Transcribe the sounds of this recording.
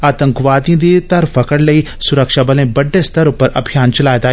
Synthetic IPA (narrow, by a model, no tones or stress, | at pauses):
aːt̪ə̃ŋkʋaːd̪ĩd̪it̪ɐɾfɐkəɽlɐi | sʊɾəkʃabɐlẽbɐɖːest̪ɐɾʊpːəɾɐ̰bʱijaːnt͡ʃɐlaːet̪aː